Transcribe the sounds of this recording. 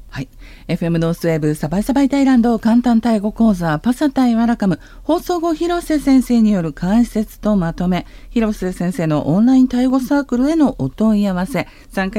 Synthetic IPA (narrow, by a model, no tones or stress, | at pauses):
hai | e̞ɸɯ̟e̞mɯ̟no̞sɨe̞bɯ̟sabaisabait̪aiɾãnd̪o̞kãnt̪ãnt̪aiɡo̞koːzapasat̪aiβaɾakamɯ̟ | ho̞ːso̞ːɡo̞çiɾo̞se̞sẽ̞ɰ̃se̞ːɲ̟ijo̞ɾɯ̟kʰãɰ̃ɕi̥se̞t͡sɨ̥t̪o̞mat̪o̞me̞ | çiɾo̞sesẽ̞ɰ̃se̞ːno̞̰ʔõnɾaĩnt̪aiɡo̞saːkɯ̟ɾɯ̟e̞no̞ʔot̪o̞iaβase̞ | sãŋka